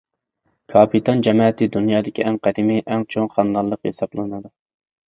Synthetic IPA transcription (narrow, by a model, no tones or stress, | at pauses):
kʰɑpʰit̪ʰɑnd͡ʒɛmɑːɛt̪ʰɪd̪unjɑːd̪ɪkʲiʔɛŋqɛd̪ɪmɪʔɛŋt͡ʃʰoŋχɑnd̪ɑlˠːəqhḛsɑblˠɨnɨd̪u